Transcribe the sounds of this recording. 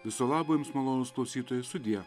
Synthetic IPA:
ʋʲɪsoːlˠɑːbojʊmsmɐlˠoːnoːsklˠɐʊsʲiːt̪oːjɛst̪ʊd̪ʲɪjɛ

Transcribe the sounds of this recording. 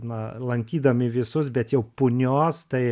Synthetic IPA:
nɐlˠɐŋʲkʲiːd̪ɐmʲɪʋʲɪsʊsbʲɛt̪jɛʊpʊnʲoːst̪ɐɪ

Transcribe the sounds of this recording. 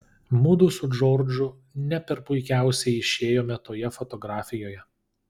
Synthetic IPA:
muːd̪uːsʊd͡ʒoːɾd͡ʒʊ | nʲɛpʲɛɾpʊɪkʲæˑʊsʲɛɪɪʃʲeːjoːmʲɛt̪oːjɛfɔt̪ɔɡɾɑːfʲɪjoːjɛ

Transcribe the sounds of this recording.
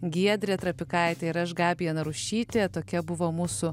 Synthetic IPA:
ɡʲiɛd̪ʲɾʲet̪ɾɐpʲɪkɐɪt̪ʲeɪɾɐʃɡɑːbʲijɛnɐɾʊʃʲiːt̪ʲeːt̪oːkʲɛbʊʋoːmuːsʊ

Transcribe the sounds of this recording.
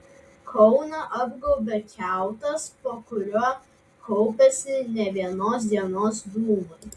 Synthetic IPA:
kʰɔʊnɐʔɐbɡoʊbʲɛkʲæˑʊt̪ɐspoːkʊɾʲuɔː | kʰɔʊpʲɛsʲɪnʲɛʋʲiɛnoːs̬d̪ʲiɛnoːsd̪uːmʊ

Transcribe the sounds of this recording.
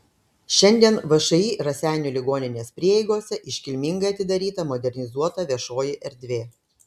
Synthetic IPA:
ʃʲɛnʲd̪ʲiɛnʋɐʃɐiːɾɐsʲæːnʲuːlʲɪɡoːnʲɪnʲeːsʲpʲɾʲiɛjɛɪɡoːsʲɛʔɪʃʲkʲɪlʲmʲɪŋɡɐɪɐt̪ʲɪd̪ɐɾʲiːt̪ɐmɔd̪ʲɛɾʲnʲɪzuɔt̪ɑːʋʲiɛʃoːjɪʔɛɾʲd̪ʲʋʲeː

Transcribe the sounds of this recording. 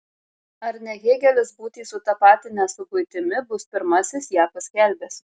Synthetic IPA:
ɐɾnʲɛɡʲeːɡʲɛlʲɪsbuːt̪ʲiːsʊt̪ɐpɑːt̪ʲɪnʲɛsʊkʊɪt̪ʲɪmʲɪbʊspʲɪɾmɐsʲɪsjæːpɐsʲkʲɛlʲbʲɛːs

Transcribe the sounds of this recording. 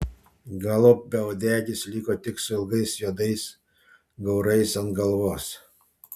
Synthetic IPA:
ɡɑlˠop̚bʲɛɔd̪ʲæːɡʲɪslʲiːkoːt̪ʲɪksʊɪlˠɡɐɪsjuːd̪ɐɪs | ɡɒʊɾɐɪsɐnt̪ɡɐlˠʋoːs

